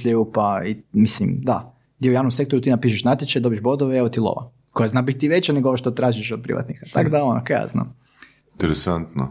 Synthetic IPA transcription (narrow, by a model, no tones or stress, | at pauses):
ʎejupaimislimd̪a | d̪ʲɛeujaːʋnomse̞kt̪oɾut̪inapiːʃ̬eʃnat̪ʲjet͡ʃajd̪o̞biʒbo̞d̪oʋeeʋot̪ilˠo̰ʋa̰ | kojeznabitt̪iʋet͡ɕaneɡooʋoʃt̪ot̪ɾaːʒiʃod̪̚pɾḭʋʔa̰t̪nixat̪akɡd̪aono̰kaja̰zna̰m | int̪eɾesant̪no̰